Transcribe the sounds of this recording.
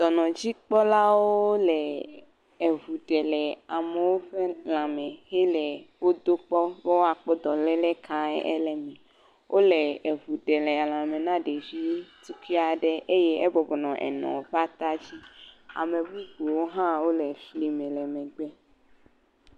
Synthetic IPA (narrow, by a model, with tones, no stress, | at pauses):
d̪̥ɔ˨nɔ̃˨d͡ʑi˦k͡pɔ˦la˦wo˦lɛ˨ | e˨vu˨ɖɛ˨lɛ˨a˨me˨wo˦ɸe˦l̃ã˨mɛ̃˨he˦lɛ˨wo˦d̪o˦k͡pɔ˦be˦wo˦a˨k͡pɔ˦d̪ɔ˨lɛ˦lɛ˦kʰã˦ɛ̰˦ʔɛ̰˦lɛ˨mɛ̃˨ | wʔo˦lɛ˨e˨vu˨ɖɛ˨lɛ˨a˨l̃ã˨mẽ˨nã˦ɖe˨vi˦t̪u˦ki˦a˨ɖɛ˦ʔe˦jɛ˦ɛ˦bɔ˨bɔ˨nɔ̃˨ʔɛ̰˨nɔ̰̃˨ɸa˦t̪a˦d͡ʑi˦a̰˨mẽ˨bu˦ɡ͡bo˨wo˦ɦã˦wo˦lɛ˨fli˨mɛ̃˨lɛ˨mɛ̃˨ɡ͡bɛ˦